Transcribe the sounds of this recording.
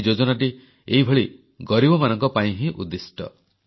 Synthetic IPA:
d͡ʒod͡ʒɔnaʈ̬i | eɦibʱɔɭi | ɡɔɾibɔmanɔŋkɔpaĩɦĩʔṵd̪isʈɔ̰

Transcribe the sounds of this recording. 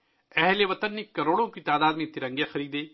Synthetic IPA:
ɛɦleʋɐt̪ənːɪkːɐɾoːɽõkit̪aːd̪aːd̪mẽt̪ɪɾɐ̃ŋɡjaxɐɾiːd̪eː

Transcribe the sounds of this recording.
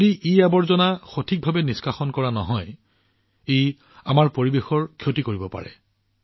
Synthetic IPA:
diʔiabɔɹzɔnaxotʰik̚bʱabɛniskaxɔnkɔɹanɔɦɔj | ej | amaɹpoɹibexɔɹkʰjotikoɹibɔpa̰ɹɛ̰

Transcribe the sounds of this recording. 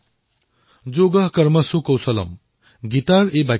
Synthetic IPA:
d͡zoɡʌɦkʌɾmʌsukʌwsʌlʌ̰m | ɡit̪aɾeba

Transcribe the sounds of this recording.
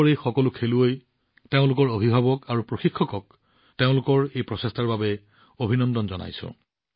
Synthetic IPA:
ɔɹejxɔkɔlʊkʰeluoj | teʊ̃lʊkɔɹobʱibʱabɔkaɹupɹoxikʰːɔkɔk | teʊ̃lʊkɔɹejpɹɔsestaɹbabɛ | obʱinɔndɔnzɔna̰jsʊ̰̃

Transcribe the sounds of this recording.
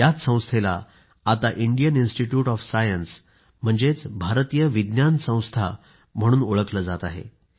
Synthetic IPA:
jat͡ssə̃w̃st̪ʰela̰ | at̪aʔiɳɖijəninsʈiʈjuːʈɔfsajəns | m̤əɳd͡zet͡sbʱaɾt̪ijəʋid̪njansə̃w̃st̪ʰa̰ | m̤əɽ̃uːnoɭəkləːd͡zat̪aɦḛ

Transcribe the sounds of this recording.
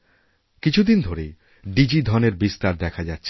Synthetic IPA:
kit͡ɕʰud̪ind̪ʱoɾe | ɖid͡ʑid̪ʱɔneɾbist̪aɾd̪ɛkʰad͡ʑatːɕʰe

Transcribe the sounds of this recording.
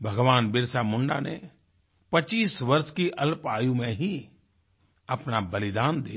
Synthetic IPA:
bʱɐɡʋaːnbɪɾsamʊ̃ɳɖa̰nḛ | pɐt͡ʃiːsʋɐɾʃkiʔɐlpaːjũmẽɦi | ɐpnabɐlɪd̪aːnd̪iː

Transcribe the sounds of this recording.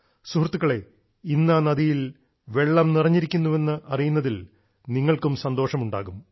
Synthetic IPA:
suhrt̪ːuɣɐɭe̞ | inːɐnɐðijil | ʋe̞ɭːɐmnirɐɲːiɾikʲːunːuʋe̞nːɨʔɐrijunːɐðil | niŋːɐɭkumsɐnd̪o̞ːʂɐmuɳɖa̰ːɣum

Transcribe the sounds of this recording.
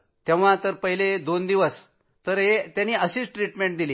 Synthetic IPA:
t̪ẽʋʋãt̪əɾpəɦiled̪ond̪iʋəs | t̪əɾɦet̪janːiːəɕiːt͡sʈɾiʈmẽɳʈ̚d̪ili

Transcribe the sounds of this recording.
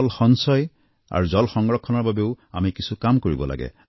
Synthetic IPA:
lxɔnsɔj | a̰ɹuzɔlxɔŋɡɹɔkʰːɔnɔɹbabeʊamikisukamkoɹibɔ̰la̰ɡɛ̰

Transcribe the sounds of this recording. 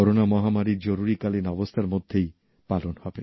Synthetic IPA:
ɔɾonamɔɦamaɾid͡ʑoɾuɾikalinɔbost̪ʰaɾmod̪ʱːej | palonhɔbe

